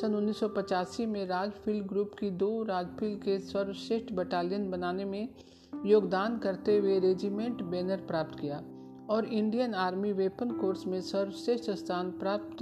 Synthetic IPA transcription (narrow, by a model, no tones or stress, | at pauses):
sənʊnːiːsɔpɐt͡ʃaːsimẽɾaːd͡ʒpʰɪlɖɡɾuːpkid̪oːɾaːd͡ʒpʰɪlɖkesəɾwʃeːʃʈʰbɛʈaːlijənbɐnaːnemẽ | joːɡd̪aːnkɐɾt̪eweɾeːd͡ʒimẽːɳʈbɛːnəɾpɾaːp̚t̪kijaː | ɔːɾɪ̃ɳɖijənaːɾmiʋeːpənkoːɾsmẽsɐɾwʃeːʃʈst̪ʰaːnpɾaːp̚t̪